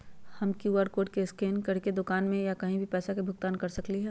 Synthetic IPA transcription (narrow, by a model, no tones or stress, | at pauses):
hɐmkjuʋaːɾkoːʈkeskeːnkɐɽked̪ʊkaːnmẽjakɐɦĩbʱipɛːsakebʱʊk̚t̪aːnkɐɾsɐkliɦɛː